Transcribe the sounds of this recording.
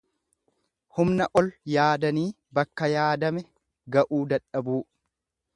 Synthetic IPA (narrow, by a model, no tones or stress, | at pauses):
hʊmnɐʔɔljaːd̪ɐniː | bɐkːɐjaːd̪ɐmɛ | ɡɐʔuːd̪ɐᶑɐbuː